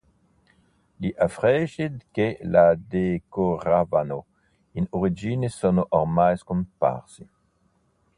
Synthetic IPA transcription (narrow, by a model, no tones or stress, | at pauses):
liʔafʁɛʃid̪kelad̪ekoʁavano | inoʁid͡ʒinesonoʔɔʁmajskumpa̰ʁsi